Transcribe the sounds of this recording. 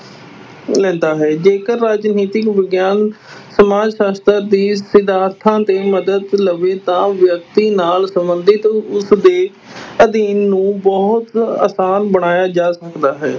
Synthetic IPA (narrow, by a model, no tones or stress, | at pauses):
lɛ̃ːnd̪aːɦɛːd͡ʒeːkəɾːaːd͡ʒniːt̪ɪkʋəɡjaːn | səmaːd͡ʒʃaːst̪əɾd̪iːsɪd̪aːɾt̪ʰãːt̪eːməd̪əd̪ləʋeːt̪ãːʋjək̚t̪iːnaːlsəmbənd̪ɪt̪ʊsd̪eː | əd̪iːnːũːbɔːɦt̪a̰ːsaːnbəɽ̃aːjaːd͡ʒaːsəkd̪aːɦɛː